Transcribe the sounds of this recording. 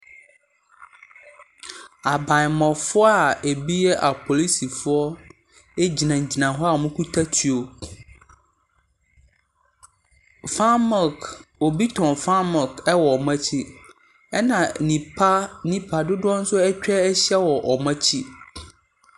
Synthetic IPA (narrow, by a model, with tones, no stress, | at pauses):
a˨bã˨ɲ˨mɔ̃˨fʊ˦a˨e˨bi˦jɛ˦ʔa˨pʰo˨li˦si˨fʊ˦ɔ˦ | e˦d͡ʑi˨nã˨ɲ̩˨d͡ʑi˨nã˨ɦɔ˦a˦˨mʊ̃˦kʰu˦tʰa˦tʰi˨o˨ | fa˦mɔ˨ko˨bi˦tʰɔ̃˨nfa˦mɔ˨kɛ˦wɔ˨mã˦t͡ɕʰi˦ | ɛ˦nã˨nĩ˨pʰa˦nĩ˨pʰa˨dʊ˦dʊ˦ɔ˦n̩˦sʊ˦ɛ˦t͡ɕᶣɛ˦ɛ˦ɕɛ˦wɔ˨ʔɔ˨mã˦t͡ɕʰi˦